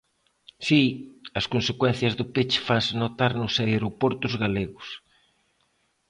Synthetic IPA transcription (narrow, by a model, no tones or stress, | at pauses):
siɐskonsekwɛn̟θjɐzðʊpet͡ʃfansɪnot̪aɾnʊsaeɾopɔɾt̪ʊzɣaleɣʊs